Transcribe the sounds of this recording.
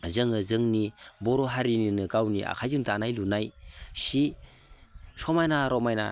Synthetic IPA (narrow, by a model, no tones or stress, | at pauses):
zɯŋɯzɯŋnibɔɾɔɦaɾininɯɡawnḭʔa̰kʰajzɯŋtanajlunajsi | sɔmajnaɾɔmajna̰